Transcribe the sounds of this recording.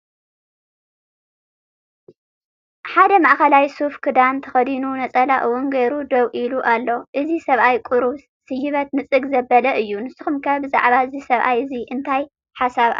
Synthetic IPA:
ħad̪ɐmaʔxɐlajsufkʰɨd̪ant̪ʰɐ̥xɐd̪inunɐt͡sʼɐlaʔɨwʊnɡeɾud̪ɐwʔiluʔalːo̞ʔɨzisɐβʔajkʼuɾuβ | sɨjːɨβɐt̪̚mɨt͡sʼɨɡzɐbːɐlɐʔɨjːunɨsɨxumkʰɐbɨza̰ʕβaɨzisɐβʔajɨziʔɨnt̪ʰaj | ħasaβʔa̰

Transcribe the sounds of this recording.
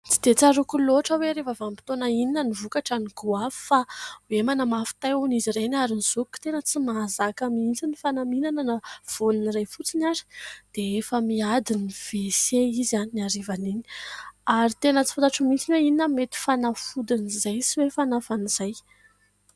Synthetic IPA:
t͡sid̪̥et͡saɾukuloʈ͡ʂəweɾefavampi̥t̪onaininənivukaʈ͡ʂaniɡuaffawemanamafi̥t̪ajuniziɾenaɾiniz̥ukːu̥t̪enət͡simazakamiint͡sinifanaminananəv̥oluniɾajfut͡sinaɾi̥d̪̥eefəmiad̪iniv̥eseizaninaɾivanini̥aɾit̪enət͡si̥funt̪aʈ͡ʂumit͡sineininəmet̪i̥fanafud̪inizajsiwefanafaniz̥aj

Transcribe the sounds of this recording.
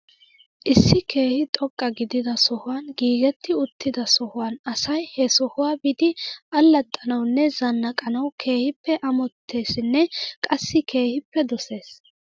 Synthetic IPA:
ʔɪsːɪke̞ːhɪt̪ʼɔkʼːɐɡɪd̪ɪd̪ɐsɔhʊwɐnɡiːɡɛt̪ːɪʊt̪ːɪd̪ɐsɔhʊwɐnɐsɐjhɛsɔhʊwaːbɪd̪ɪʔɐlːɐt̪ʼːɐnɐwnːɛzɐnːɐkʼɐnɐwkʰe̞ːhɪpːɛʔɐmɔt̪ʰːe̞ːsnːɛkʼɐsːɪkʰe̞ːhɪpːɛd̪ɔse̞ːs

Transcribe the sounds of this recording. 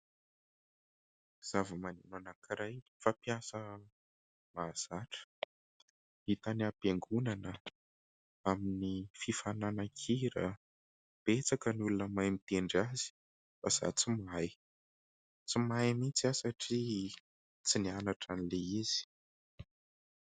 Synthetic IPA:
z̥avəmanenanakiɾajfapjasə | maz̥aʈ͡ʂə̥ | it̪aniapeŋɡunanə | aminififananakʰiɾə̰ | b̥et͡sakənulunəmajmit̪eɳɖ͡ʐazi̥ | faz̥a̰t͡simaj | t͡simajmit͡siasaʈ͡ʂi | t͡sinianaʈ͡ʂanileiz̥i̥

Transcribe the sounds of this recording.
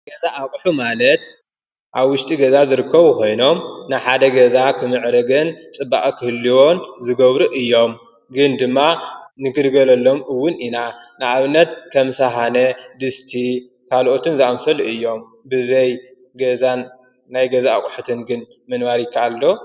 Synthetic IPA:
ɡɐzaʔakʼħumalɐt̪ | ʔaβwʊʃt̪ʼiɡɐzazɨɾɨkʰːɐβuko̞jno̞mnɨħad̪ɐɡɐzakʰɨmɨʕɾɐɡɨnt͡sʼɨbːa̰ʔʼkʰɨhɨlːiwo̞nzɨɡɐβɾuʔɨjːo̞m | ɡɨnd̪ɨmːanɨkɨd̪ɡɐlɐlːo̞mɨwːʊninanɨʔaβɨnːɐt̪kʰɐmsaɦanɐd̪ɨst̪ʰi | kʰalʔo̞t̪ʰɨnzɨʔamfɐlɨjːo̞m | bɨzɐj | ɡɐzanː | ajɡɐzaakʼħut̪ʰɨnɡɨn | mɐnmaɾikʰːaalːo̞

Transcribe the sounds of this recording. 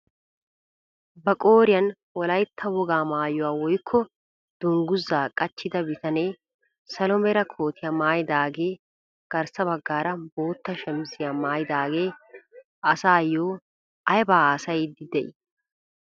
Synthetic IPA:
bɐkʼoːɾɪjɐn | wɔlɐjt̪ʰːɐwɔɡaːmaːjʊwaːwɔjkʰːɔ | d̪̥ʊŋɡʊzːaːkʼɐt͡ʃːɪd̪ɐbɪt̪ɐneː | sɐlɔmɛɾɐkʰo̞ːt̪ʰɪjɐmaːjd̪aːɡe̞ː | ɡ̥ɐɾsɐbɐɡːaːɾɐbo̞ːt̪ːɐʃɛmsɪjamaːjd̪aːɡe̞ː | ʔɐsaːjoː | ɐjbaːsɐjd̪ɪd̪ɛj

